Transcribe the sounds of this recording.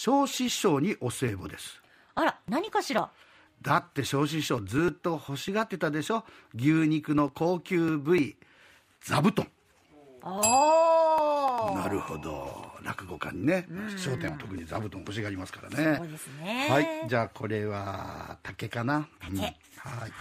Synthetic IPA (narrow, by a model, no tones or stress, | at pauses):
ɕo̞ːɕiɕo̞ːɲ̟iʔo̞se̞ːbo̞d̪e̞sɨ̥ | aɾanaɲ̟ikaɕiɾa | d̪at̪ːe̞ɕo̞ːɕ̬iɕo̞ːd͡zɨːt̪ːo̞ho̞ɕiɡat̪ːe̞t̪ad̪e̞ɕo̞ | ɡʲɨːɲ̟ikɯ̟no̞ko̞ːkʲɨːbɯ̟i | d͡zabɯ̟t̪õŋ | naɾɯ̟ho̞̰d̪o̞̰ɾa̰kɯ̟ɡo̞kã̰ɲ̟ːine̞ɕo̞ːt̪ẽat̪o̞kɯ̟ɲ̟id͡za̰bɯ̟t̪õho̞ɕ̬iɡaːɾʲimasɨ̥kaɾa̰ned̪esnehaid͡ʑaːkʰo̞ɾe̞βa̰t̪ʰake̞kanaɯ̟̃ | hai